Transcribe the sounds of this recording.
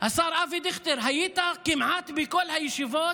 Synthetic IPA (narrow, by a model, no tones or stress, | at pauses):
hasaɾʔavid̪iχt̪iɾɦajit̪akimʕat̪bɪkolhajeʃivo